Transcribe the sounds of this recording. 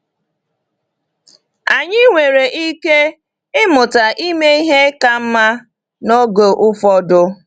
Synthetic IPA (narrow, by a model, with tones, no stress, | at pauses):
a˨ɲɪ˦ŋʷe˨ɾe˨ʔi˦ke˦ | ɪ˦mʊ˨ta˨ʔi˦me˦i˦ɦe˦ka˦m̩˦ma˦ | no˦ɡo˨ʔʊ˦fɔ˦dʊ˦